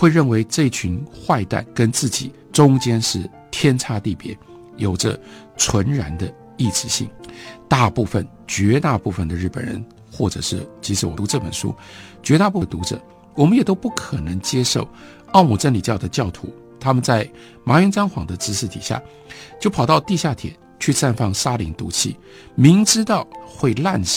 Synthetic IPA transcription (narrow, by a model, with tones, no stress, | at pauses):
xwe˥˧ɪɻə˥˩nwe˧˥ɪʈ͡ʂɤ˥˧i˥˩t͡ɕʰy˧˥nxwa˥˧ɪt̪a̰˥˩nkə˥nt͡sɹ̩˥˩t͡ɕi˨˩˦ | ʈ͡ʂʊ˥ŋt͡ɕjɛ˥nʂɻ̩˥˩ | t̪ʰjɛ˥nʈ͡ʂʰa˥t̪i˥˩pjɛ̰˧˥ | jo˨˩ʊʈ͡ʂə̰˧ | t͡sʰwə˧˥nɻa˧˥nd̪ə˧ | i˥˩ʈ͡ʂɻ̩˧˥ɕḭ˥˩ŋt̪a˥˧pu˥˧fə˨n | t͡ɕɥɛ˧˥t̪a˥˧pu˥˩fə˨˩nd̪ə˩ɻ̩˥˩pə̰˨˩nɻə̰˧˦n | xwɔ˥˩ʈ͡ʂɤ̰˨˩ʂɻ̩˥˩t͡ɕʰi˧˥ʂ̩˧˥wɔ˨˩t̪u˧˥ʈ͡ʂɤ˥˩pə˨˩nʂṵ˥ | t͡ɕɥɛ˧˥t̪a˥˧pu˥˩t̪u˧˥ʈ͡ʂɤə̰˨˩˦ | wɔ˨˩mə˦njɛ˨˩t̪o˥ʊpu˥˩kʰə˨˩nɤ˧˥ŋt͡ɕjɛ˥ʂo̰˥˩ʊ | ɑ˥˩ʊmu˨˩ʈ͡ʂə˥nli˨˩t͡ɕjɑ˥˩ʊd̪ə˩t͡ɕjɑ˥˩ʊt̪ʰṵ˧˥ | t̪ʰa˥mə˨nt͡sa˥˩ɪ | ma˧˥jɛ˧˥nt͡sɑ˥ŋxwɑ˧˥ŋd̪ə˧ʈ͡ʂɻ̩˧˥ʂɻ̩˥˩t̪ʰḭ˨˩ɕja̰˥˩ | t͡ɕjo˥˩ʊpʰɑ˨˩ʊt̪ɑ˥˧ʊt̪i˥˧ɕja˥˩t̪ʰjɛ̰˨˩˦n | t͡ɕʰy˥˧sa˥˧nfɑ˥˩ŋsa˥li˧˥ŋt̪ṵ˧˥t͡ɕʰḭ˥˩ | mi˧˥ŋʈ͡ʂɻ̩˥t̪ɑ˥˧ʊxwe˥˧ɪla˥˧n